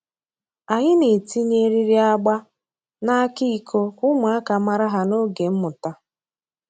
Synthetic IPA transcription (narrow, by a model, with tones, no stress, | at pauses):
a˨ɲɪ˦ne˨ti˦ɲe˦ɾi˦ɾi˦a˦ɡ͡ba˦ | na˦kɪ˦i˨kʰo˦kʊ˦ma˨a˦ka˨ma˨ɾa˦ɦa˨no˦ɡe˨m̩˦mʊ˨ta˦